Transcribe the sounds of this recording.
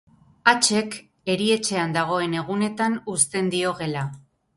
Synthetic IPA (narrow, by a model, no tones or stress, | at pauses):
at͡ʃe̞k | e̞ɾie̞t͡ʃe̞and̪aɣ̞o̞e̞ne̞ɣ̞une̞t̪anust̪e̞nd̪io̞ɣe̞la